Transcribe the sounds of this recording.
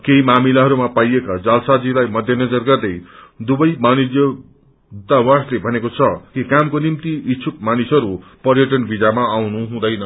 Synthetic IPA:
keɦimamilaɦʌɾumapajekad͡zalsad͡zilajmʌd̪ʱjʌnʌd͡zʌrɡʌrd̪ʌjd̪ubʌjmanidjʌ | d̪awaslebʱʌnekot͡sʰʌkikamkonimt̪iit͡sʰuk̚manisʌɾupʌɾjʌʈ̬ʌnbid͡zamaːwnuɦũd̪ʌjnʌ

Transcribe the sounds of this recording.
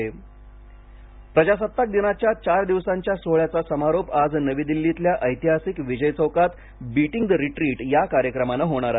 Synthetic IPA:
pɾəd͡ʑasət̪ːak̚d̪inat͡ɕjat͡ɕaɾd̪iʋsaɲt͡ɕjasoɭjat͡sasəmaɾopad͡znəʋid̪ilːit̪ljaʔəjt̪iɦasikʋid͡ʑəjt͡səwkat̪ | biʈiŋɡd̪əɾiʈɾiːʈjakaɾjəkɾəmanəɦoɽ̃aɾa

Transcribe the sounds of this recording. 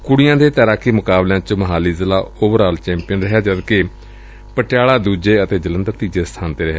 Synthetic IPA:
kʊɽɪjãːd̪eːt̪ɛːɾaːkʰiːmʊkaːbljãːt͡ʃməɦaːliːzɪlaːoːbəɾaːlt͡ʃɛ̃ːmpijənɾɪɦɛːd͡ʒəd̪ke | pəʈɪaːlaːd̪uːd͡ʒeːət̪eːd͡ʒələnd̪əɾt̪iːd͡ʒeːst̪ʰaːnt̪eːɾɪɦɛː

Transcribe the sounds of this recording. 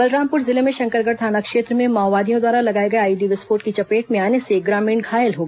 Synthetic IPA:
bɐlɾaːmpʊɾzɪlemẽʃɐ̃ŋkəɾɡəɾt̪ʰaːnakʃeːt̪ɾəmẽmaːʋaːd̪ijõd̪waːɾalɐɡaːeɡɐeaːiɖiʋɪspoːɾʈkit͡ʃɐpeːʈmẽaːneseɡɾaːmĩːɳɡʰʱaːjəlɦoːɡ

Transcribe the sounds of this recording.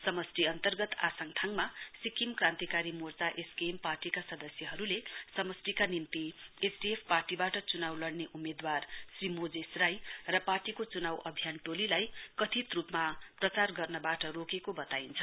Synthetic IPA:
sʌmʌsʈiʌnt̪ʌrɡʌt̪a̰sʌŋʈʰaŋmasikimkrãnt̪ikaɾimort͡saʔeskemparʈikasʌd̪ʌsjʌɦʌɾulesʌmʌsʈikanint̪iesʰɖiepʰparʈibaʈʌt͡sunawlʌɽneʔumed̪warsrimod͡zesrajrʌparʈikot͡sunawʔʌbʱjanʈolilajkʌt̪ʰit̪rupmaprʌt͡sarɡʌrnʌbaʈʌɾokekobʌt̪aint͡sʰʌ

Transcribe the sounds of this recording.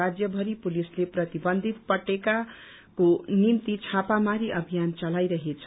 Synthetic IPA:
ad͡zjʌbʱʌɾipulisleprʌt̪ibʌnd̪ʱit̪̚pʌʈeka | konimt̪it͡sʰapamaɾiʔʌbʱijant͡sʌlajɾʌɦet͡sʰ

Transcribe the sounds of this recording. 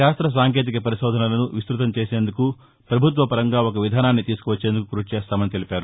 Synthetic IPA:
ʃaːst̪ɾɐs̬aːŋke̞ːt̪̬ikɐpɐɾiʃɔːd̪ʱɐnɐlɐnuʋist̪ɾut̪ɐmt͡ʃeːseːnd̪uku | pɾɐbʱut̪ʋɐpɐɾɐŋɡaːok̬ɐʋid̪ʱaːnaːnːit̪iːsu̥kuʋɐt͡ʃːe̞ːnd̪ukukuɾuut͡ʃɛːst̪aːmɐnit̪e̞lipʲaːɾu

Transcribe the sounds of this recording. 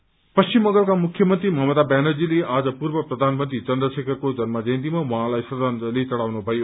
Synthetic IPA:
pʌst͡ɕimːʌ̃ŋɡʌlkamukʰːjʌmʌnt̪ɾimʌɦmʌd̪abjanod͡zileʔad͡zʌpurbʌprʌd̪ʱanmʌnt̪rit͡sʌnd̪rʌsekʌrkod͡zʌnmad͡zʌjnt̪̬imawʌɦãlajsʌd̪anlit͡sʌɽawnubʱʌjo

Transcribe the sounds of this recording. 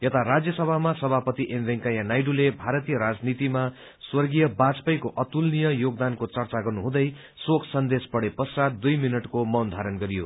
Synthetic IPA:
jʌt̪aɾad͡zjʌsʌbʱamasʌbʱapʌt̪iʔembʱeŋkajanajɖulebʱaɾʌt̪ijʌɾad͡znit̪ima | swʌrɡijʌbat͡spʌjkoʔʌt̪ulnijʌjoɡ̚d̪ankot͡sʌrt͡saɡʌrnuɦũd̪ʌj | sokʰsʌnd̪espʌɽepʌsad̪d̪ujminʌʈkomʌwnd̪ʱaɾʌnɡʌɾijo

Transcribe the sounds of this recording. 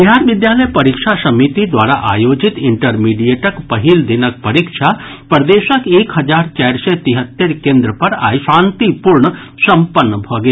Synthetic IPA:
b̪iɦaːɾʋɪd̪jaːləjpɐɾikʃʰasɐmit̪id̪waːɾaʔa̰ːjoːd͡ʒɪt̪ɪɳʈəɾmiːɖieʈəkpɐɦild̪ɪnək̚pɐɾikʃʰa | pɾəd̪eːʃəkeːkɦɐd͡ʒaːɾt͡ʃɛːɾset̪iɦət̪ːeɾkẽːnd̪ɾəpɐɾa̰ːiʃãːnt̪ipuɾɳə | sɐ̃mpənːəbʱoɡe

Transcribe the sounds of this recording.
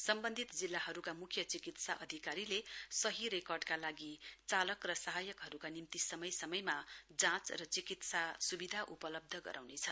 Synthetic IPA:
sʌmbʌnd̪ʱit̪d͡zilːaɦʌɾukamukʰjʌt͡sikit̪saʔʌd̪ʱikaɾilesʌɦiɾekʌrɖkalaɡit͡salʌkrʌsʌɦajʌkɦʌɾukanimt̪isʌmʌjsʌmʌjmad͡zãt͡srʌt͡sikit̪sasubid̪ʱaʔupʌlʌb̚d̪ʱʌɡʌ̰ɾʔa̰wnet͡sʰʌn

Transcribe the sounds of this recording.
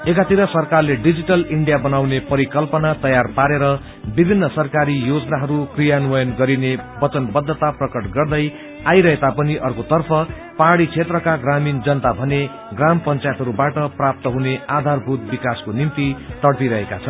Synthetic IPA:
ekat̪iɾʌsʌrkarleɖid͡ziʈʌliɳɖijabʌnawnepʌɾikʌlpʌnat̪ʌjarpaɾeɾʌ | bibʱinːʌsʌrkaɾijod͡znaɦʌɾukrijanuʌjʌnɡʌɾinebʌt͡sʌnbʌd̪ʱːʌt̪aprʌkʌʈɡʌrd̪ʌj | ajɾʌɦet̪apʌniʔʌrkot̪ʌrpʰʌ | paɽit͡sʰet̪rʌkaɡramind͡zʌnt̪abʱʌne | ɡrampʌnt͡sajt̪ɦʌɾubaʈʌprap̚t̪ʌɦunead̪ʱarbʱut̪̚bikaskonimt̪it̪ʌɽpiɾʌɦeka̰t͡sʰʌn

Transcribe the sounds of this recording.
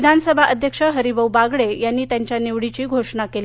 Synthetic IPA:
d̪ʱansəbʱaʔəd̪ʱjəkʂəɦəɾibəwbaɡɭejanːiːt̪jaɲt͡ɕjaneʋɽit͡ɕiːɡʱoʂnakeli

